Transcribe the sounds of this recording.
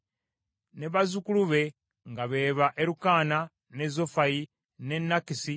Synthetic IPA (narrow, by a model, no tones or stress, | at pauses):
ne̞βazukuluβe̞ | ŋɡaβe̞ːβaʔeɾukaːna | ne̞zofaji | ne̞nːakisi